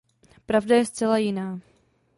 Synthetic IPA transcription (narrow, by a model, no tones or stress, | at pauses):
pɾavdajɛst͡sɛlajɪnaː